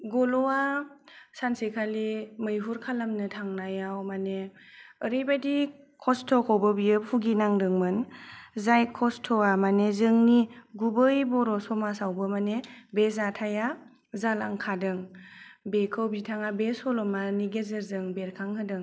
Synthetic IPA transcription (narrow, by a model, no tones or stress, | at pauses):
ɡɔlɔwa | sansekʰalimɯjɦuɾkʰalamnɯtʰaŋnajawmane | əɾɯjbadi | kʰɔstʰɔkʰɔwbəbijɯhuɡinaŋdɯŋmɯnzajkʰɔstʰɔamanezɯŋniɡubɯjbɔɾɔsɔmasawbɯmanebezatʰaja | zalaŋkʰadɯŋbekʰɯwbitʰaŋabesɔlɔmaniɡezɯɾzɯŋbeɾkʰaŋhɯdɯŋ